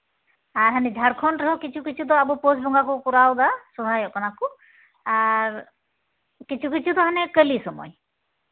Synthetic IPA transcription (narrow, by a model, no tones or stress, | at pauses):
aɾɦanɛd͡ʒʱaɾkʰɔnɾɔɦɔkit͡ʃʰukit͡ʃʰud̪ɔabuposbʱɔŋɡakukuɾawd̪asɔd̪ʱajɔʔkɔnaku | aɾ | kit͡ʃʰukit͡ʃʰud̪ɔɦanɛkəlisɔmɔ̰j